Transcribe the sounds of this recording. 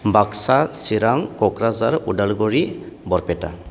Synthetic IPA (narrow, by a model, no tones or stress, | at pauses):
baksasiɾaŋkɔkɾazaɾudalɡɔɹibɔɾpɛta̰